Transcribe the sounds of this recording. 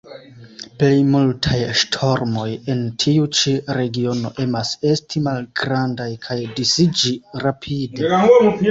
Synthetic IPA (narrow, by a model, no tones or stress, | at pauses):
plejmultʰajʃtʰo̞ɾmo̞je̞ntʰiut͡ʃiɾe̞ɡio̞no̞̰ʔe̞mase̞stʰimalɡ̥ɾandajkʰajdisid͡ʒiɾapʰide